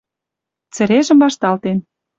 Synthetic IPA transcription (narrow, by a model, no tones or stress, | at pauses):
t͡sə̆ɾeʒə̆mbɑʃt̪ɑlt̪en